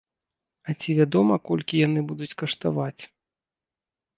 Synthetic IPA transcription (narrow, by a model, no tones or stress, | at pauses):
ɐt͡sʲivʲad̪ɔmɐkɔlʲkʲijanɨbud̪ut͡sʲkɐʂt̪a̰vat͡sʲ